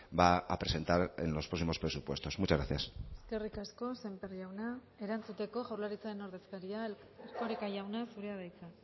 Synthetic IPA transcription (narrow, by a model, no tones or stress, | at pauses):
baa̰pɾe̞se̞nt̪aɾḛnlo̞spɾo̞simo̞spɾe̞supwe̞st̪o̞smut͡ʃazɣɾaθjaseske̞rikasko̞se̞mpeɾʝawna | e̞ɾant͡sut̪e̞ko̞ʝawɾlaɾit͡saɾe̞no̞ɾðe̞skaɾia | eɾko̞ɾikajawnasuɾeaðajt͡sa